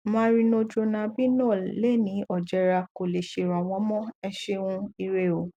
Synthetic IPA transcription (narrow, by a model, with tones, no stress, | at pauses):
mãː˦ɾi˧nõ˧d͡ʒo˧nã˧bi˦nɔ̃˦˨lɛ˦˨nĩ˨˦ɔ˦˨d͡ʒɛ˨˧˦ɾa˧ko˨le˨ʃe˨ɾã˨w̃ɔ̃˨˦mɔ̃˦ɛ˧ʃe˧wũ˧i˧ɾe˧˨o˨